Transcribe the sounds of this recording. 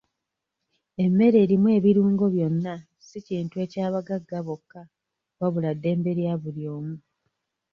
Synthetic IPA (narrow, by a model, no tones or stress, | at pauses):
e̞mːe̞ɾe̞ːɾimwe̞ːβiɾuːŋɡo̞βjo̞nːa | siciːntue̞ːcaːβaɡaɡːaβo̞kːa | βaβuladːe̞ːmbe̞ɾjaβuljo̞ːmu